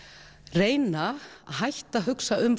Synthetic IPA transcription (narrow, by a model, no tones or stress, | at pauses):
reːjnahajht̪aɦʏksaʔʏm